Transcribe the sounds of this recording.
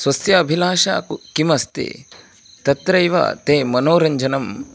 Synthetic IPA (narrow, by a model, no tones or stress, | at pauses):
sʋɐsjɐːbʱilaːʃa̰ːkukimɐst̪ḛ | t̪ɐt̪ɾɐjʋa̰t̪eːmɐnoːɾɐɲd͡ʒɐnɐm